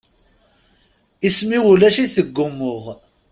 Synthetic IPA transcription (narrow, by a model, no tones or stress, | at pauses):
ismiwulæʃiθəɡːʊmːʊʁ